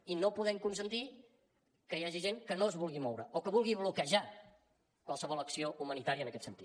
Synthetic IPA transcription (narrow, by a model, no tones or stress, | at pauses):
inopuðɛmkunsənt̪i | kəjaʒiʒeŋkənoəzβulˠɣimɔwɾəokəβulˠɣiβlukəʒa | kwalˠsəβɔlˠəksioʔumənit̪aɾiəːnəkɛt̪sənt̪ḭ